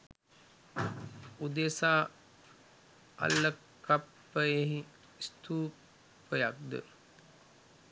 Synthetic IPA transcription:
ud̪esaː | a̰lːə | kapːəjeɦi | st̪uː | pːəjak̚d̪ə̰

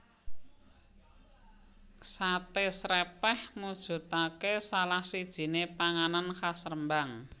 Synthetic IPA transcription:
sat̪esɾɛpɛhmud̥ʒ̥ṳt̪akesalahsid̥ʒ̥i̤nepaŋanankasərəmbaŋ

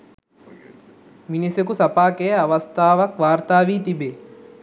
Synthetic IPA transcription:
minisekusɐpaːkejəaʋɐst̪ʰaːʋɐkʋaːɾt̪aːʋiːt̪ibe

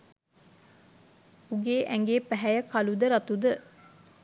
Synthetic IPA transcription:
uɡeːʔæŋɡeːpæɦæjəkalud̪əɾat̪ud̪ə

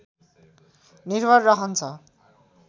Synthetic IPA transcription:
nirbʱʌrːʌɦʌnt͡sʰʌ

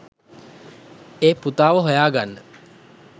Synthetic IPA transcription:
eːput̪aːʋəɦojaːɡanːə

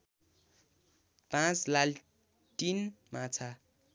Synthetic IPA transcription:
pãt͡slal | ʈinmãt͡sʰa

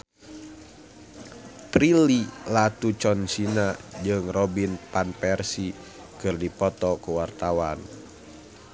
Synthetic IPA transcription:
pɾililat̪ut͡ʃɔnsinad͡ʒɨŋrɔbinpanpɛrsi | kɨrdipɔt̪ɔkuwart̪awan

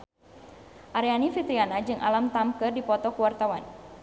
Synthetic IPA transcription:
ʔaɾjanifit̪ɾianad͡ʒɨŋʔa̰lamt̪amkɨrdipɔt̪ɔkuwart̪awan

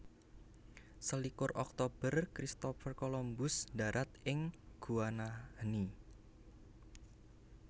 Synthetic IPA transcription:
səlikʊrʔɔk̚t̪ob̥ərkɾist̪ɔfərkɔlɔmbʊsda̤ɾʔat̪ʔɪŋɡ̥uanani

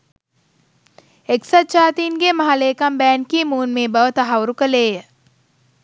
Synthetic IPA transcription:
eksat̪t͡ʃaːt̪iːnɡemɐɦaleːkambæːnkimuːnmeːbəʋət̪aɦawɾukəleːjə

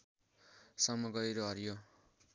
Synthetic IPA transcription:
sʌmʌɡʌjɾoɦʌɾijo

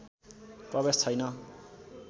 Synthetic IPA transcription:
prʌβest̪ʰʌjnʌ

